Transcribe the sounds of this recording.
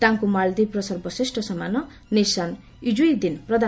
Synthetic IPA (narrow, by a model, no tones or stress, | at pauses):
t̪aŋkumaɭd̪ipɾɔsɔɾbɔsisʈɔsɔmanɔ | nisan | id͡ʒuid̪inpɾɔd̪ʱa